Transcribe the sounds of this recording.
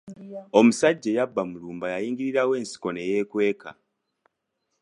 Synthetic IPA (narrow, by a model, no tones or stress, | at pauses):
o̞musaɟːejabːamuluːmbajajiːŋɡiɾiɾawe̞ːnsi̥ko̞neje̞kwe̞ːka̰